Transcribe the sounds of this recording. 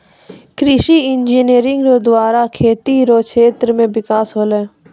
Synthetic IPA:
kɾɪʃiɪnd͡ʒineːɾɪ̃ŋɡɾod̪waːɾakʰeːt̪iɾokʰeːt̪ɾəmẽbɪkaːsɦoːlẽː

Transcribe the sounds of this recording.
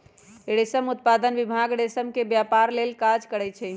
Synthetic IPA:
eɽesəmut̪̚pad̪ənʋibʱaɡɽesəmkebjapaɾlelkad͡ʒkəɾɛt͡ʃʰɛ

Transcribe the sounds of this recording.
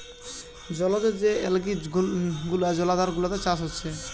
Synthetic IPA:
d͡ʑɔlad̪ed͡ʑeɛlɡiɡulad͡ʑɔlad̪aɾɡulat̪et͡ɕaʃɦotːɕʰe

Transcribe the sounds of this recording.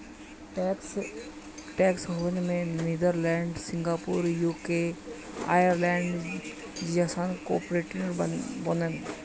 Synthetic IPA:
ʈːks | ʈɛːksɦoənmẽniːd̪əɾlɛ̃ːɳɖsɪ̃ŋɡaːpuːɾjuːke | a̰ːjəɾlɛ̃ːɳɖ | d͡ʒd͡ʒaːsaːnko̰ːpɾeʈinəɾbonən

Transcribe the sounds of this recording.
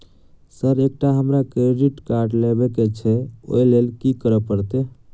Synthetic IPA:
səɾek̚ʈaɦəmɾakɾeɖiʈkaɾɖlebeket͡ʃʰɛo̰jlelkikəɾəpəɾt̪e

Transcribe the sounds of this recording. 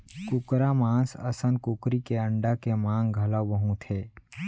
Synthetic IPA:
kʊkɾamãːsɐ̰sən̚kʊkɾikeə̃ɳɖakemãːŋɡʱɐlaʋɐɦũt̪ʰeː

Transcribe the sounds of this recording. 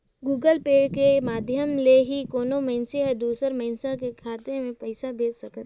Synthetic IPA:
ɡuːɡəlpeːɖkemaːd̪ʱjəmleɦikoːnomɛ̃ɪnseɦɛd̪uːsəɾməɪnsãkekʰaːt̪ẽmẽpɐɪsabʱeːd͡ʒsɐkət̪

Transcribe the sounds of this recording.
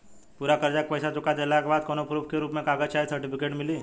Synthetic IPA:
puːɾakɐɾd͡ʒek̚pəɪsat͡ʃʊkad̪elakebaːd̪̚koːnopɾuːpʰkeɾuːpmẽkaːɡəd͡ʒt͡ʃaːisɐɾʈɪpʰɪkeːʈmɪliː

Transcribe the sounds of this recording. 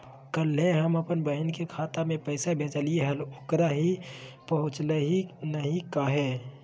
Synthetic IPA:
kəlɦeɦəməpənbəɦnkekʰaːt̪amẽpəɪsabʱet͡ʃalieɦəlʊkɾaɦipəɦʊ̃t͡ʃləɦinəɦĩkaɦɛː

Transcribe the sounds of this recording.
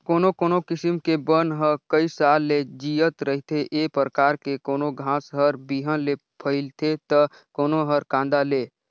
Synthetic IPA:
koːnokoːnokɪsɪmkebənɦəkəisaːlːed͡ʒiət̪ɾəɦit̪ʰeʔeːpəɾəkaːɾkekoːnoɡʱãːsɦəɾbiːɦə̃le | pʰəɪlt̪ʰet̪ə | koːnoɦəɾkãːnd̪aleː

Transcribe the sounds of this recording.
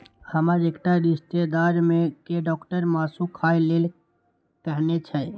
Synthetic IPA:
həməɾekʈaɾist̪ed̪aɾmẽkeɖɔkʈəɾmaːsũkʰailel | kəɦnet͡ʃʰɛ

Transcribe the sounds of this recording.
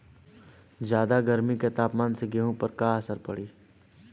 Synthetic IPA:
d͡ʒjaːd̪aɡəɾmiket̪aːpmaːnseɡeɦõpəɾkaəsəɾpɐɽiː

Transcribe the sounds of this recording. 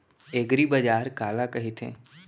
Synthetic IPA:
eːɡɾibəd͡ʒaːɾkaːlakɐɦit̪ʰḛ̃ː

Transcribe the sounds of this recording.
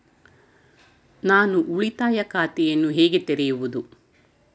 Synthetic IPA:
naːnuʔuɭit̪aːjɐkaːt̪ɛjɐnːuɦeːɡet̪eɾɛjuʋud̪u

